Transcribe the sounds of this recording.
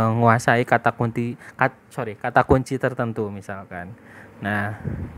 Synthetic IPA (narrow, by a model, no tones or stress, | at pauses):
ŋuasaikat̪akunt̪ika | soɾikat̪akuɲt͡ʃit̪ərt̪ənt̪umisalkanːah